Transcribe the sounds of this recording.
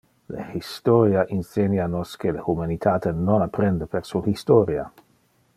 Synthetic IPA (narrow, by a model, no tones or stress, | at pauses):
lḛhist̪oɾjaʔinsenjanoskelehumanit̪ʰaːt̪enonapɾɛnd̪əpersuhist̪oɾia̰